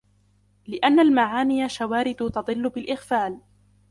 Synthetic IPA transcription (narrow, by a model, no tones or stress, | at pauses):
lɪʔanːalmaʕaːnɪjaʃawaːɾɪd̪ʊt̪ɑd̪ˤɨlːʊbɪlʔɪɣfaːl